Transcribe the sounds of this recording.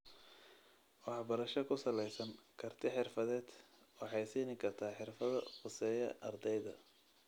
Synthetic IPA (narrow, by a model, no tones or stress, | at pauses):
wɑħbɐɾɐʃɐkʰʊsɐlɛjsɐnkʰɐrt̪ʰɪħɪrfɐðɛːd̪ | wɑħɑjsiːnɪkʰɐrt̪ʰaːħɪrfɐðɐqʊsɛːjɐ̰ʔɐrd̪ɛjðɐ̰